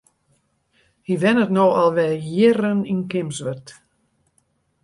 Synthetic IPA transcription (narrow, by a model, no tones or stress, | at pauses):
hiʋɛnətnoːɑlˠʋɛjɪɾəninkɪmsʋət